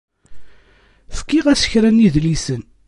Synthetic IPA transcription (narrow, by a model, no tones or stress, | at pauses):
fkːiʁæsə̥çɾæniðlisən